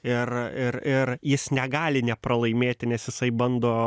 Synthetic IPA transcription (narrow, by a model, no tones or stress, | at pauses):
ɪrɪrɪrjɪsnʲɛɡɑːlʲɪnʲɛpɾɐlˠɐɪmʲeːt̪ʲɪnʲɛsjɪsɐɪbɐnd̪oː